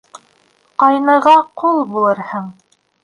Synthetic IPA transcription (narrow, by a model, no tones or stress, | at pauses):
qɑjnɤ̆ʁɑqulˠbulˠɤɾhɤɴ